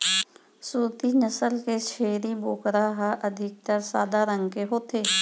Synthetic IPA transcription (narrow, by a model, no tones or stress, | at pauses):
suːɾt̪iːnəsəlkeːʃʰeːɾiːboːkɾaːɦaʔəd̪ʱɪk̚t̪əɾsaːd̪aːɾəŋɡkeɦoːt̪ʰeː